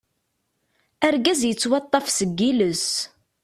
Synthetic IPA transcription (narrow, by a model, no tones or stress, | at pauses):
æɾɡæzjət͡sːwɑt̪ˤːɑfsəɡːiləs